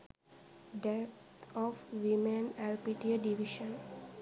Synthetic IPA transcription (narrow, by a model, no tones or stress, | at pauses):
ɖep̚t̪ʰɔfʋimẽnɛlpiʈiəɖiʋiʃə̃n